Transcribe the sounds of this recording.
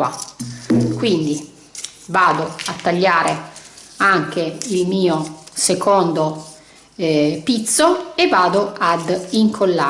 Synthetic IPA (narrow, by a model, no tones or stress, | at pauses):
a | kwind̪i | vaːd̪oat̪ːaʎːaːɾe | aŋk̟eilmiːosekond̪o | pit̪sːoevːaːd̪oad̪iŋkʰolːaː